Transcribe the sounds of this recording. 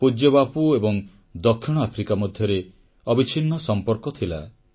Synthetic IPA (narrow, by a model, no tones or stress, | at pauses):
pud͡ʒɔbapuebɔŋ | d̪ɔkʰːiɽ̃ɔapʰɾikamɔd̪ʱjɔɾe | ɔbit͡ʃʰinːɔsɔmpɔɾkɔt̪ʰila̰